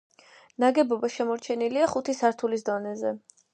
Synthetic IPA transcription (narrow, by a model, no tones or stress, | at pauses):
naɡɛbɔbaʃɛmɔɾt͡ʃʰɛniliaχut̪ʰisaɾt̪ʰulisd̪ɔnɛzɛ